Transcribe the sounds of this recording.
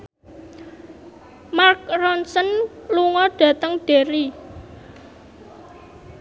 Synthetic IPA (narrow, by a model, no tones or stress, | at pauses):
mark̚rɔnsənluŋɔɖ̥ä̤t̪əŋɖ̥e̤ɾi